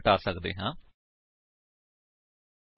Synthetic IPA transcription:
ʈaːsəkd̪ḛːɦãː

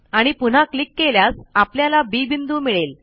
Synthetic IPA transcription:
aɽ̃ipun̤aklikːeljasapljalabiːbind̪uːmiɭel

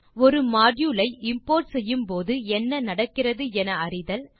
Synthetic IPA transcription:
ɔɾɯmaːɖjuːlɐɪɪmpoːɾʈsɛjːɯmpoːðɯɛnːɐnɐɽɐkːɪrɐðɯɛnɐɐrɪðɐl

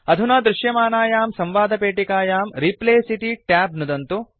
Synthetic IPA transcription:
ɐd̪ʱunaːd̪ɾɪʃjɐmaːnaːjaːmsɐ̃mʋaːd̪ʱɐpeːʈikaːjaːmɾipleːsiʈiʈaːbnud̪ɐnt̪u

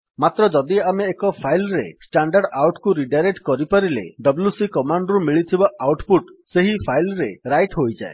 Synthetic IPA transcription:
mat̪ɾɔd͡ʒɔd̪iameːkɔpʰajlɾesʈaɳɖaɽawʈkuɾiɖaɾekʈkɔɾipaɾilḛɖɔbljusikɔmaɳɖɾumiɭit̪ʰibaʔawʈpuʈseɦipʰajlɾeɾajʈɦojd͡ʒa̰e

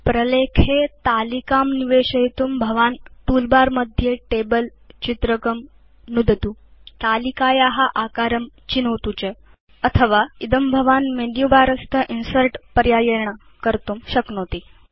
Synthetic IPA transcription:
pɾəlekʰet̪alikamniʋeɕəɦit̪umbʱəʋanʈuːlbaɾməd̪ʱːjeʈebəl | t͡ɕit̪ɾəkəm | nud̪ʱət̪ut̪alikajaɦaʔakaɾəm | t͡ɕinəʋt̪ut͡ɕe | ət̪ʰəʋaid̪əmbʱəʋanmenjubaɾəst̪ʰəʔinsəɾʈpəɾjajeɾɳa | kəɾt̪umɕəknot̪iː

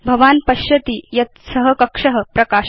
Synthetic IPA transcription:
bʱɐʋaːnpɐɕjɐt̪iːjɐt̪̚səɦəkɐkʂəɦəpɾɐkaː

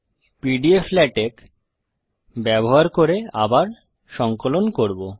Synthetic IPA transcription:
piɖieflɛʈek | bɛboɦaɾkoɾeabaɾ | ʃɔŋkolonkoɾbo

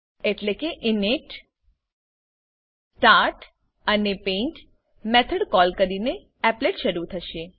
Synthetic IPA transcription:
eʈlekeʔɪneʈ | ʈaʈ | ənepeɳʈ | mɛt̪ʰəɽkɔlkəɾine | ɛpleʈʃəɾut̪ʰəʃe

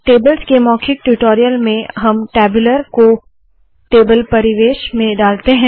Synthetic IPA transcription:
ʈeːbəlskemɔːkʰɪk̚ʈuʈoːɾijəlmẽɦɐmʈɛːbʊləɾko | ʈeːbəlpɐɾɪʋeːʃmẽɖaːlt̪eɦɛ̃ː

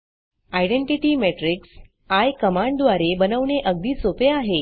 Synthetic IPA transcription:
ajɽeɳʈiʈiːmeʈɾiks | ajkəmaɳɖd̪ʋaɾebənəʋɳeʔəɡ̚d̪iːsopeaɦe

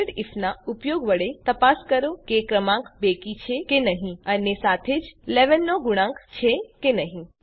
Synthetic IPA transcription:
ɖifnaupjoɡʋəɽet̪əpaskəɾokekɾəmãŋkbekit͡ʃʰekenəɦĩənesat̪ʰed͡ʒleʋənːoɡuɽ̃ãŋkt͡ʃʰekenəɦĩ

